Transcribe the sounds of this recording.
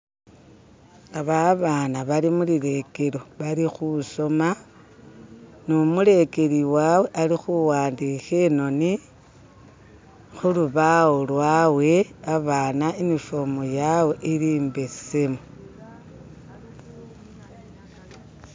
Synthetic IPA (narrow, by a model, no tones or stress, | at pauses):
aβaβaːnaβalimuliɾe̞ke̞ɾo̞βaɾixuso̞ma | nomule̞ke̞ɾiwawe̞ʔalixuwaːndixeno̞ni | xuluβawolwaːwe̞aβaːnaemifo̞mojaweʔiɾiːmbesemo